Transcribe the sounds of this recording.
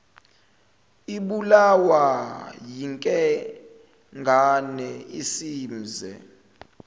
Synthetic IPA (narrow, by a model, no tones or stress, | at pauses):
iɓulawajiŋkʼɛ | ŋɡʱanɛisiːm̩zɛ̰